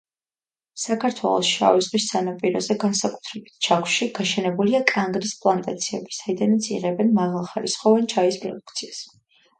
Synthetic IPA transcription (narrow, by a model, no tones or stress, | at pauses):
sakʰaɾt̪ʰwɛ̰lˠɔ̰sʃa̰vizʁisːanapʼiɾɔzɛɡansakʼu̥t̪ʰɾɛbit̪̚ʰt͡ʃʰakʷʰʃiɡ̥aʃɛnɛbuliakʼaŋɡɾispʼlˠant̪ʼat̪sʰiɛbi̥said̪anat̪sʰḭʁɛbɛnmaʁalˠχaɾisχɔvɛnt͡ʃʰaispʼɾɔ̰d̪u̥kʰt̪sʰias